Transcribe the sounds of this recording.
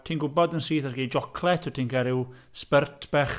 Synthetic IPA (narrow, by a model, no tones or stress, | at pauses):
tʰiːnɡʊbɔdənsiːθarɡiːd͡ʒɔkʰlˠɛtʰɪtʰiːnkʰaɾɪwspərtʰb̥ɛχ